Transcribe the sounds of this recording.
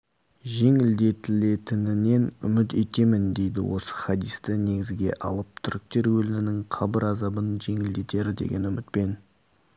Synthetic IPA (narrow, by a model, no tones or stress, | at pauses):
ʒe̞ŋɪld̪e̞t̪ɪle̞t̪ɪnɪne̞nʏ̰mɪt̪et̪e̞mɪnd̪e̞jd̪ɪ̰wo̞sə̥χɑd̪ijst̪ɪne̞ɡʲɪzɡʲe̞̰ʔɑ̰lˠəp̚t̪ʰʏɾɪk̚t̪e̞ɾwɵlɪmɪnɪŋqʰɑbəɾɑzɑbənʒe̞ŋɪld̪e̞t̪e̞ɾɪd̪e̞̰ɡʲe̞nʏmɪt̪̚pe̞n